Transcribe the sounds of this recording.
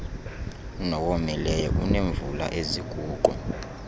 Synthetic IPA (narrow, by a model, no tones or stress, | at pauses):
nɔwomilɛjɔ̰ʔuneɱvula̰ʔeziɡ̥ʱuːǃɔ̰